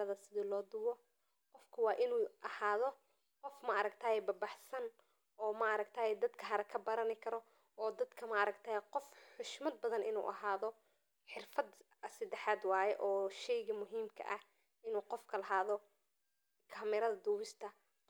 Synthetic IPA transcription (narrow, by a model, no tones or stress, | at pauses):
ɐðɐsɪðɪlɔːd̪ʊwɔ | qɔfkʰɐwɑːʔɪnuːɐhaːðɔ | qɔfmɐʔɐɾɐɡt̪ʰaːjɛbɐrbɑħsɐn | ʔɔːmɐʔɐɾɐɡ̚t̪ʰaːjɛd̪ɐd̪kʰɐɦɐɾɐkʰɐbɐɾɐnɪkʰɐɾɔ | ʔɔːd̪ɐd̪kʰɐmɐʔɐɾɐɡt̪ʰaːjɛqɔfħʊʃmɐd̪̚bɐðɐnʔɪnṵːʔɐhaːðɔ | ħɪrfɐd̪ | ɐsɐd̪ɛħaːd̪wɑːjɛʔɔːʃɛjɣɐmʊɦiːmkʰɐ̰ʔɐh | ɪnuːqɔfkʰɐlɐɦaːðɔ | kʰaːmɪɾɐðɐd̪ʊːwɪst̪ʰɐ